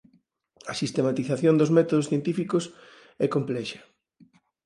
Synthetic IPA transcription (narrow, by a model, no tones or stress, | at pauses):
ɐsist̪emat̪iθaθjond̪ozmɛt̪oðosθjent̪ifikos | ɛkomplɛʃɐ̥